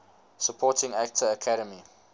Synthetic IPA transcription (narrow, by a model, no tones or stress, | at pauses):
səpʰɔːˑtɪ̃ŋæk̚tʰəːkʰaɾəmi